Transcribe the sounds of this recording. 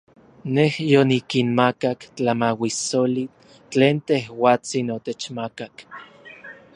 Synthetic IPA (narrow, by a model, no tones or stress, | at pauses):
nehjonikinmakakt͡ɬamawisoli | t͡ɬeːnt̪ehwaːt͡sinot̪et͡ʃmakak